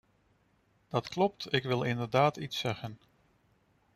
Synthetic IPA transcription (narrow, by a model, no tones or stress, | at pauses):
d̥ɑtklɔp̚tɪkʋɪlˠɪndəɹdaːtitsɛχən